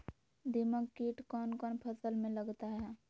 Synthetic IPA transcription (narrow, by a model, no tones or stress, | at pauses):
d̪iməɡkiːʈkɔːnkɔːnpʰəsəlmẽləɡt̪aɦɛː